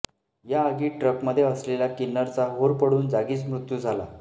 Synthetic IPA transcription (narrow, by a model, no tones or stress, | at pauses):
jaəɡiːʈɾəkməd̪ʱːjeəslelakinːəɾt͡saɦoɾpəɽuːnd͡zaɡiːt͡smɾut̪juːd͡zʱala̰